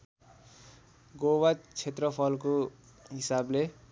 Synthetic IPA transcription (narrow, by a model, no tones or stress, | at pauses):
ɡowat͡sʰet̪rʌpʰʌlko | ɦisable